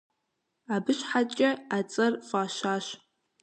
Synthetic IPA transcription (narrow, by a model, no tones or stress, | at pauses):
abɨʃħat͡ʃʼɪat͡sʼɨrfaːʃaːʃ